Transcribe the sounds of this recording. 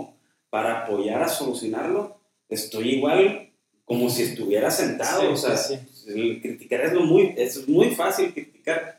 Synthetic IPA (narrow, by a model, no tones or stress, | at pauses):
paɾaːpo̞ʝaɾaso̞lusjonaɾlo̞ | e̞st̪o̞jiɣwal | ko̞mo̞sie̞st̪uβje̞ɾase̞nt̪aðoːsea | kɾit̪i̥kaɾezlomujesezmujfasilkɾit̪i̥kaɾ